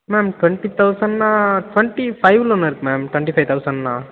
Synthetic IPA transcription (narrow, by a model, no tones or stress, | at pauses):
mɛːmʈʋɛɳʈit̪ɐʊsɐ̃ɳɖnãːʈʋɛɳʈifɐɪʋlɔnːɐɪɾɯkːɯmɛːmʈʋɛ̃ɳʈifɐɪt̪ʰɐʊsɐ̃ɳɖnãː